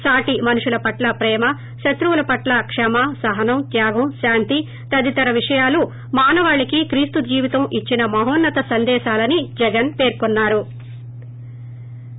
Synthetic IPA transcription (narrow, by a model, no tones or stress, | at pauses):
saːʈimɐnuʂulɐpɐʈlɐpɾɛːmɐ | ʃɐt̪ɾuʋulɐpɐʈlɐkʂɛmɐsɐɦɐnɐmt̪jaːɡɐmʃaːnt̪i | t̪ɐd̪it̪ɐɾɐʋiʂɐjaːlu | maːnɐʋaːɭikikɾiːst̪ud͡ʒiːʋit̪ɐmʔit͡ʃːinɐmɐɦoːnːɐt̪ɐsɐnd̪ɛːʃaːlɐnid͡ʒɛɡɐnpe̞ːɾkunːaːɾu